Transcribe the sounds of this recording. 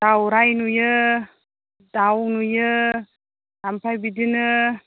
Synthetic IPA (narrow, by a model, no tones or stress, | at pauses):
d̥awɾajnujɯ | dawnujɯ | dampʰajbidɯnɯ